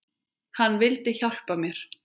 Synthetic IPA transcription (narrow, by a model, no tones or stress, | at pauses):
hanːvɪlt̪ɪçawl̥pamjɛɾ̥